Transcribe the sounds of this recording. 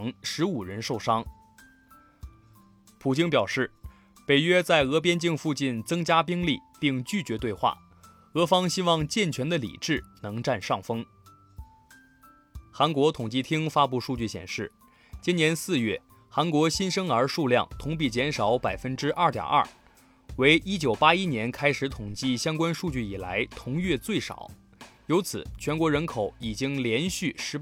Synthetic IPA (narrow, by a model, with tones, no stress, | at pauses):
ŋʂɻ̩˧˥u˨˩ɻə˧˥nʂo˥˩ʊʂɑ˥ŋ | pʰu˨˩t͡ɕi˥ŋpjɑ˨˩ʊʂɻ̩˥˩ | pe˨˩ɪɥɛ˥t͡sa˥˩ɪɤ˧˥p̬jɛ˥nt͡ɕi˥˧ŋfu˥˧t͡ɕi˥˩nt͡sɤ˥ŋt͡ɕja˥pi˥ŋli˥˧pi˥˧ŋt͡ɕy˥˩t͡ɕɥɛ˧˥t̪we˥˧ɪxwa̰˥˩ | ɤ˧˥fɑ˥ŋɕi˥wɑ˥˧ŋt͡ɕjɛ˥˩nt͡ɕʰɥɛ˧˥nd̪ə˧lḭ˨˩ʈ͡ʂɻ̩˥˩nɤ˧˥ŋʈ͡ʂa˥˧nʂɑ˥˩ŋfɤ˥ŋ | xa˧˥nkwɔ˧˥t̪ʰʊ˨˩ŋt͡ɕi˥˩t̪ʰi˥ŋfa˥pu˥˧ʂu˥˧t͡ɕy˥˩ɕjɛ̰˨˩nʂɻ̩˥˩ | t͡ɕi˥njɛ˧˥nsɹ̩˥˧ɥɛ˥˩ | xa˧˥nkwɔ˧˥ɕi˥nʂɤ˥ŋə˞˧˥ʂu˥˧ljɑ˥˩ŋt̪ʰʊ˧˥ŋp̬i˥˩t͡ɕjɛ˧˥nʂɑ˨˧˥ʊpa˨˩ɪfə˥nʈ͡ʂɻ̩˥ʔɐ˞˥˩t̪jɑ̰˨˩ʔɐ̰˞˥˩ | we˧˥ɪʔi˥t͡ɕjo˨˩ʊpa˥i˥njɛ˧˥nkʰa˥ɪʂɻ̩˧˥t̪ʰʊ˨˩ŋt͡ɕi˥˩ɕjɑ˥ŋkwa˥nʂu˥˧t͡ɕy˥˩i˨˩la˧˥ɪt̪ʰʊ˧˥ŋɥɛ˥˧t͡swe˥˩ɪʂɑ̰˨˩˦ʊ | jo˧˥ʊt͡sʰɹ̩˨˩˦t͡ɕʰɥɛ˧˥nkwɔ˧˥ɻə˧˥nkʰo˨˧˥ʊi˨˩t͡ɕi˥ŋljɛ˧˥nɕy˥˩ʂɻ̩˧˥